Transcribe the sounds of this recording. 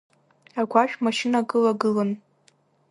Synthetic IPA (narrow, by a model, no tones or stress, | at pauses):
aɡʷaʃᶣmaʃɪnaɡɨlaɡɨlɨn